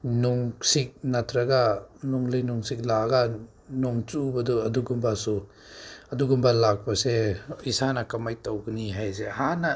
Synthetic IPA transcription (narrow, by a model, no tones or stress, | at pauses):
nuŋsik̚natʰɾɐɡanuŋlɯjnuŋsik̚laɡa | nɔŋt͡ʃubɐduɐduɡumbasu | ɐduɡumbalak̚pɐseisanɐkɐmajtawɡniɦajzehanɐ